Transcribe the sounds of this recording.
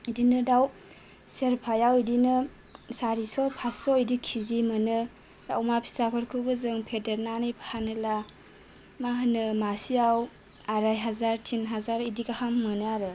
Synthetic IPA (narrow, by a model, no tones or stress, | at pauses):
idinɯdaw | seɾpʰajawidinɯ | saɾisɔpʰasɔidikʰizimɯnɯ | ɾa̰wmapʰi̥sapʰɯɾkʰɯbɯzɯŋpʰedeɾnanɯjpʰhanɯla | maɦɯnɯmasijaw | aɾajɦazaɾtʰinɦazaɾidikahamːɯnɯaɾɯ